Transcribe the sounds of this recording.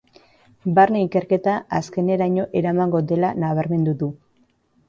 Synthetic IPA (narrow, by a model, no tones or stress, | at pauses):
baɾneike̞ɾke̞t̪aaske̞ne̞ɾaɲo̞ʔe̞ɾamaŋɡo̞d̪e̞lanaβaɾme̞nd̪uðu